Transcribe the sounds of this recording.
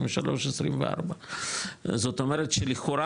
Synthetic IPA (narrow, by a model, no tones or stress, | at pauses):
meʃalo̞ʃesʁimvea̰ʁba | zo̞t̪omeʁet̪ʃeliχoɾa